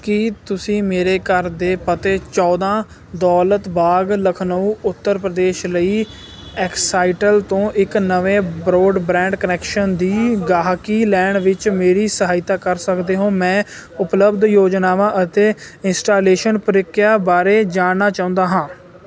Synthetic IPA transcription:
kɪt̪ʊsĩːmeːɾeːkəɾd̪eːpət̪eːt͡ʃɔːd̪ãː | d̪ɔːlət̪baːɡləkʰnəũːʊt̪ːəɾpɾəd̪eːʃləiː | ɛːksaːɪʈəlt̪õːʔɪknəʋẽːbɾoːɖbɾɛ̃ːɳɖkənɛːkʃənd̪iːɡaːɦkiːlɛːɳɖʋɪt͡ʃmeːɾiːsəɦaːɪt̪aːkəɾsəkd̪eːɦõːmɛ̃ːʊpləbd̪joːd͡ʒnaːʋãːʔət̪eːɪnsʈaːleːʃənpəɾɪkːjaːbaːɾeːd͡ʒaːɳnːaːt͡ʃaːʊ̃nd̪aːɦãː

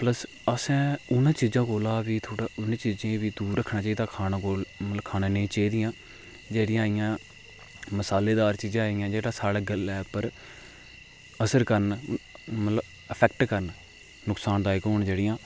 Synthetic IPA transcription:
pləs | əsɛ̃ːʊnãːt͡ʃiːd͡ʒãːkoːlaːʋiːt̪ʰoːɽaːʊnẽːt͡ʃiːd͡ʒẽːʋiːd̪uːɾːəkʰːnãːt͡ʃaːid̪aːkʰaːaːɡoːlmət̪ləbkʰaːnaːnẽːt͡ʃeːd̪ɪjãː | d͡ʒeːɽɪjãːɪjãː | məsaːleːd̪aːɾt͡ʃiːd͡ʒãːaːɪjãːd͡ʒeːɽaːsaːɽːɡəlɛːpəɾ | əsəɾkəɾn | mət̪ləb | əpʰɛːkʈkəɾn | nʊksaːnd̪aːɪkɦoːnd͡ʒeːɽɪjãː

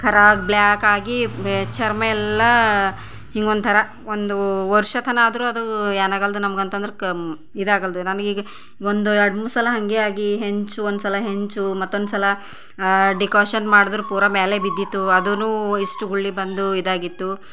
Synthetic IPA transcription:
kʰɐɾaːkbljaːkaːɡit͡ʃɐɾmɐɛlːɐ | hiŋɡond̪t̪ʰɐɾɐ | ond̪uʋɐɾʂɐt̪ʰɐnaːd̪ɐɾuːɐd̪ueːnaːɡɐld̪unɐmɐɡɐnt̪ɐnd̪ɐɾe | id̪aːɡɐld̪unɐnɡiːɡɐ | ond̪uɐɽmusɐlɐɦɐŋɡeaːɡiɦe̞ɲt͡ʃuond̪usɐlɐɦe̞ɲt͡ʃumɐt̪ːond̪usɐlɐ | ɖikoːʃɐnmaːɽid̪ɐɾupuːɾɐmeːlebid̪ːit̪ːuɐd̪unuːiʂʈuɡuɭːibɐnd̪uid̪aːɡit̪ːu

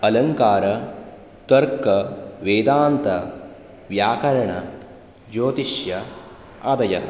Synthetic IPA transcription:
ɐlɐŋkaːɾɐ | t̪ɐɾkɐʋeːd̪aːnt̪ɐ | ʋjaːkɐɾɐɳɐ | d͡ʒoːt̪iʃjɐ | ɐd̪ɐjɐ

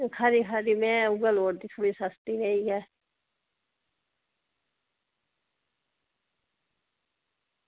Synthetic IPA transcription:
kʰaɾikʰaɾimɛ̃ːʊɡəloːɾd̪it̪ʰuɽisast̪iɾəiɛː

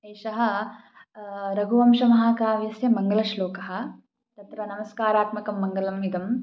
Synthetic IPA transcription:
eːʃɐɦɐ̆ | ɾɐɡuʋɐmʃɐmɐɦaːkaːʋiɐsjɐmɐŋɡɐlɐʃloːkɐɦɐ̆ | t̪ɐt̪ɾɐnɐmɐskaːɾaːt̪mɐkɐmːɐŋɡɐlɐmid̪ɐm

